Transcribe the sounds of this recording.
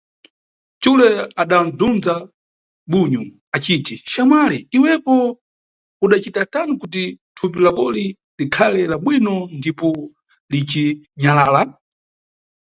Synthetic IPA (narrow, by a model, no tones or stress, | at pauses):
t͡ʃulɛaɗam̩dund͡za | ɓuɲu | at͡ʃiːtiʃamwalɛiwɛpɔ | uɗat͡ʃitatanukut̬itʰupilakɔli | likʰalɛlaɓwinɔndipɔ | lit͡ʃiɲalaːla